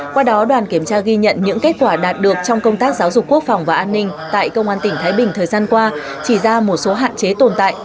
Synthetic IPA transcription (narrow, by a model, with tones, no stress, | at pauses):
kwaː˧ɗɔ˨˦ɗwaː˨˩nki˧˩əmt͡ɕaː˧ɣi˧ɲə̰˧˨nɲɨ̰˧˥ŋke˦˥t̚kwaː˧˩ɗaː˨˩t̚ɗɨ˨˩ək̚t͡ɕɔ˧wŋ͡mkə˧wŋ͡mt̪aː˦˥k̚zaː˨˦wzʊ˨˩kːu˦˥ək̚fɔ˨˩wŋ͡mvaː˨˩ʔaː˧nːï˧ŋ̟t̪a̰ː˧˨jkə˧wŋ͡mʔaː˧nt̪ï˧˩ŋ̟t̪ʰaː˨˦jɓï˨˩ŋ̟t̪ʰəː˨˩jzaː˧nkwaː˧ | t͡ɕi˧˩zaː˧mo˨˩t̚so˨˦ɦa̰ː˧˨nt͡ɕe˨˦t̪o˨˩nt̪a̰ː˧˨jʔ